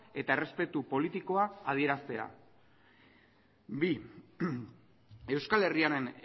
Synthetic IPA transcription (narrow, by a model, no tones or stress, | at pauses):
e̞t̪aere̞spe̞t̪upo̞lit̪iko̞aað̞ieɾast̪e̞a̰ | bi | e̞wskale̞riaɾe̞n